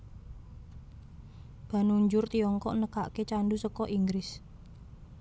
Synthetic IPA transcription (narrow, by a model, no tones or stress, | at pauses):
b̥a̤nuɲd͡ʒʊrt̪iɔŋkɔʔnəkaʔket͡ʃandusəkɔʔiŋɡɾɪs